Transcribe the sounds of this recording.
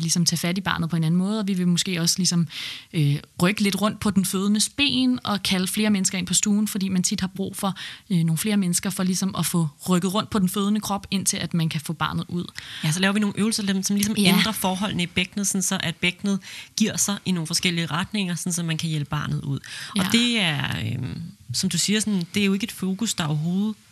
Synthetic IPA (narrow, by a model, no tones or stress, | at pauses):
lisɒ̽mt͡sʰɛ̰ːfæd̥ib̥ɑ̈ːnð̩ˠpʰɒ̽e̝næn̩mɔ̽ːð̞̩ˠɒ̽ʋiʋe̝mosɡ̥e̝̰ːɒ̽slisɒ̽møʁœɡ̥əle̝d̥ʁɔ̽n̰d̥̚pʰɒ̽d̥enføːð̞ˠənəsb̥e̝̰ːnɒ̽kʰæləfle̝ːɐmenəsɡɐe̝n̰pʰɒ̽sd̥uːn̩fɒd̥ḭːmænt͡sʰid̥hɑ̈b̥ʁṵːfɒ̽no̝ːn̩fle̝ːɐmenəsɡ̥ɐfɒ̽lisɒ̽mɒ̽fɔ̰̽ːʁœɡ̥ð̩ˠʁɔ̽n̰d̥pʰɒ̽d̥enføːð̞ˠnəkʰʁɒ̽b̥e̝n̰t͡sʰe̝læd̥mænkʰæfɔ̰ːb̥ɑ̈ːnð̩ˠuð̞̰ˠjæsɒlɛːʊɐʋino̝ːn̩ʔøːʊl̩sɐlʰedemsɒ̽mlisɒ̽mend̥ʁɐfɒːɦɒ̽l̰nəib̥eɡ̥nð̞̩ˠsɒ̽n̩sɒ̽ʔæd̥̚b̥eɡ̥nð̞̩ˠɡ̥iɐ̰sɑ̈ʔinoːn̩fɒ̽sɡ̥el̰iəʁɑ̈d̥ne̝ŋ̰ɐsɒ̽nsɒ̽mænkʰæjelb̥əb̥ɑ̈ːnð̞̩ˠuð̰ˠɒd̥e̝æɐømsɒ̽md̥usiːɐsɒnd̥e̝æɐjo̝e̝ɡ̥əe̝d̥fo̝ːkusd̥ɑ̈ɒɐɦo̝ːð̩ˠ